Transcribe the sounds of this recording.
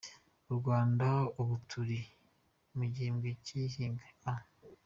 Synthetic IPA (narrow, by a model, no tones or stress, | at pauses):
uɾɡwaːndauβutʰuɾi | muɟiimɡecihiːŋɡaa